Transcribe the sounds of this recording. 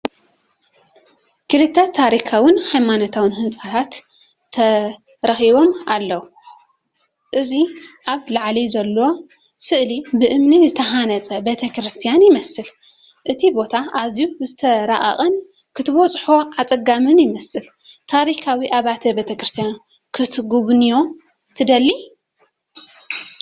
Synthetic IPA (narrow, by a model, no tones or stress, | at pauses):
kʰɨɾɨt̪ʰat̪ʰaɾikʰawɨnhajmanot̪ʰawɨnɦɨnt͡sʼat̪ʰat̪ʰː | ɐ | ɾɐxiβo̞malːɐwu | ʔɨziʔaβlaʕlizɐlːo̞ | sɨʔlibɨʔɨmnizɨt̪ʰɐɦanɐt͡sʼɐbe̞t̪ʰɐkɾɨst̪ʰijanjɪmɐsɨl | ʔɨt̪ʰibo̞t̪ʰaʔazijuzɨt̪ʰɐɾa̰ʔɐ̰χʼɐn | kʰɨt̪ʰɨβot͡sʼħo̞ʕat͡sʼɐɡamɨnjɪmɐsɨl | t̪ʰaɾikʰawiʔaβat̪ʰɐbet̪ʰɐkɾɨst̪ʰijan | kʰɨt̪ʰɡuβnijo̞ | t̪ʰɨd̪ɐlːi